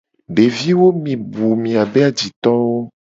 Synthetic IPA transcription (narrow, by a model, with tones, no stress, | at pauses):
ɖe˨vi˦wo˦mĩ˨bu˨mĩ˨a˨be˦a˨d͡ʑi˨t̪ɔ̃˦wo˦